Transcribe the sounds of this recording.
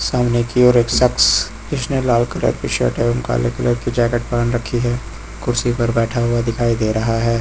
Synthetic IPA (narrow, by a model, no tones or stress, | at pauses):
saːmnekiɔːɾeːksɐks | d͡ʒɪsnelaːlkɐlə̰ɾkiʃɐ̰ʈɛːmka̰ːlekələɾkid͡ʒɛːkeʈ̚palənɾɐkʰːiɦɛː | kʊɾsipɐɾbɛːʈʰaɦʊad̪ɪkʰaːid̪eːɾɐɦaɦɛː